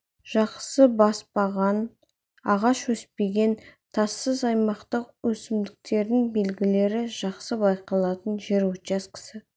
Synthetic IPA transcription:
ʒ̥ɑqsəbɑspɑʁɑn | ɑʁɑʃwɵspe̞ɡʲe̞nt̪ʰɑsːəzɑjmɑqt̪əqwɵsɪmd̪ɪk̚t̪e̞ɾd̪ɪŋbe̞lɡʲɪle̞ɾɪʒɑqsəbɑjqɑlˠɑt̪ənʒeɾwɵt̪t͡ʃɑskʲɪ̥sɪ

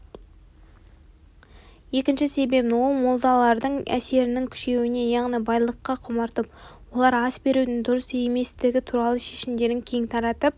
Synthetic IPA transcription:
je̞kʲɪnʃɪse̞be̞pnwo̞lˠmolˠd̪ɑlˠɑɾd̪əɴæ̰se̞ɾɪnɪŋkʲʰʏ̥ʃe̞wɪne̞jɑʁnijbɑjlˠəqːɑqʰʊmɑɾt̪əpwo̞lˠɑɾɑsbe̞ɾud̪ɪŋd̪ʊɾəseme̞st̪ɪɡʲɪt̪ʰuɾɑlˠəʃe̞ʃɪmd̪e̞ɾɪŋkʲʰe̞jɪŋt̪ʰɑɾɑt̪əp̚

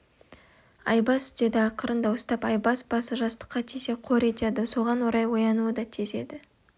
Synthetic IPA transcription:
ɑ̰jbɑsd̪ed̪ɪɑqəɾənd̪ɑwost̪ɑpɑjbɑsbɑsəʒɑst̪ə̥qːɑt̪ʰise̞qʰo̞ɾe̞t̪e̞d̪ɪso̞ʁɑnwoɾɑjwo̞jɑnuəd̪ɑt̪ʰeze̞d̪ɪ

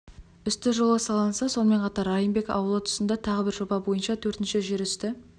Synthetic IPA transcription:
ʏst̪ɪʒo̞lˠəsɑlˠɑnsɑso̞nme̞ɴqʰɑt̪ɑɾɑjənbe̞kɑ̰wəlˠət̪ʰʊ̥sənd̪ɑt̪ʰɑʁəbɪɾʒobɑbo̞jənʃɑt̪ʰɵɾt̪ɪnʃɪʒe̞ɾʏst̪ɪ

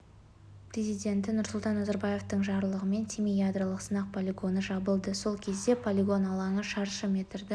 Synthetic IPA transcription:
prʲezijd̪ʲe̞nt̪ɪnʊɾsʊlˠt̪ɑnːɑzɑɾbɑje̞ft̪əɴʒɑɾlˠəʁəme̞nt̪ʲʰemijad̪ɾəlˠəqsənɑq̚pʰolʲiɡo̞nəʒɑbəlˠd̪əso̞lˠkʲʰe̞zd̪e̞pʰolʲiɡo̞nɑlˠɑɴəʃɑɾʃəme̞t̪ɪɾd̪ɪ

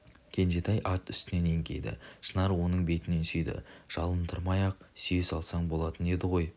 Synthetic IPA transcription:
kʲʰe̞nʒe̞t̪ɑjʔɑt̪ʏ̥st̪ɪne̞neŋkʲe̞̰jd̪ɪ̰ʃənɑɾwo̞nəɴbe̞t̪ɪne̞nsʏjd̪ɪ̰ʒ̥ɑlˠənt̪ʰəɾmɑjɑq̚syjesɑlˠsɑɴbo̞lˠɑt̪əne̞d̪ɪʁo̞j

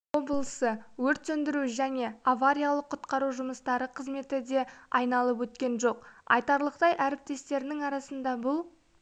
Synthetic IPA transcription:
wo̞blˠəsəwɵɾt̪sɵnd̪ɪɾuʒæne̞avaɾʲijalˠəqʰːʊt̪qɑɾuʒʊməst̪ɑɾəqʰəzme̞t̪ɪd̪e̞ɑjnɑlˠəpwɵt̪kʲe̞nʒo̞qɑ̰jt̪ɑɾlˠəqt̪ɑjʔæɾɪp̚t̪e̞st̪e̞ɾɪnɪŋɑɾɑsənd̪ɑbʊlˠ

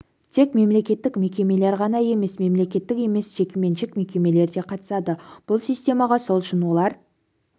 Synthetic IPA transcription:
t̪ʰe̞kme̞mle̞kʲe̞t̪ːɪkme̞kʲe̞me̞le̞ɾʁɑnɑje̞me̞sme̞mle̞kʲe̞t̪ːɪke̞me̞sʒ̥e̞kʲeme̞nʃɪkme̞kʲe̞me̞le̞ɾd̪e̞qʰɑt̪ə̥sɑd̪əb̥ʊlˠsijsʲt̪ʲe̞mɑʁɑso̞lˠʏʃɪnwo̞lˠɑɾ

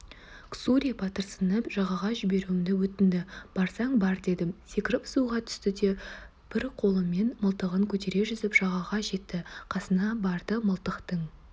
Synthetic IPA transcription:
ksuɾijpʰɑt̪əɾsənəpʒɑʁɑʁɑʒɪbe̞ɾuɪmd̪ɪwɵt̪ɪnd̪ɪb̥ɑɾsɑŋbɑɾd̪e̞d̪ɪsekʲɪɾɪpsuʁɑt̪ʰʏ̥st̪ɪd̪e̞ | b̥ɪɾqʰo̞lˠəme̞nməlˠt̪əʁəŋkʲʰɵt̪e̞ɾe̞ʒʏzɪpʒ̥ɑʁɑʁɑʒe̞t̪ːɪqʰɑsənɑbɑɾd̪əməlˠt̪əqt̪əɴ

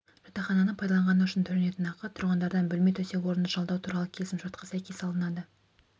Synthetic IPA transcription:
ʒ̥ɑt̪ɑχɑnɑnəɴpʰɑjd̪ɑlˠɑɴʁɑnəʏʃɪnt̪ʰɵɾene̞t̪ɪnɑqɑt̪ʰʊɾʁɑnd̪ɑɾd̪ɑnbɵlmet̪ʰɵse̞wo̞ɾənd̪əʒɑlˠd̪ɑwt̪ʰuɾɑlˠəkʲʰe̞lsɪmʒɑt̪̚qʰɑsæjkʲʰe̞sɑlˠənɑd̪ə

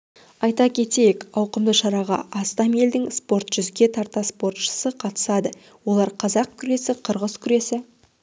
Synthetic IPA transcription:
ɑjt̪ɑkʲʰe̞t̪e̞jekɑwqəmd̪əʃɑɾɑʁɑ̰ɑst̪ɑme̞ld̪ɪŋspo̞ɾt̪ʒ̥ʏzɡʲe̞t̪ʰɑɾt̪ɑspo̞ɾt̪ʃə̥səqʰɑt̪ə̥sɑd̪ə | wo̞lˠɑɾqʰɑzɑq̚kʲʰʏɾe̞sɪqʰəɾʁəzkʲʰʏɾe̞sɪ

